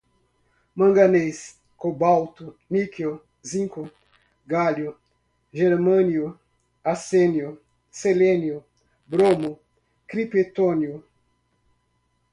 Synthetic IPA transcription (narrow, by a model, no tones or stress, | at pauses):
mɐ̃ŋɡanejs | kobawt̪uniko | zĩŋkʊ | ɡaljʊ | ʒeɾmɐ̃niʊ | asenjʊ | selẽniʊ | bɾomʊ | kɾipet̪onjʊ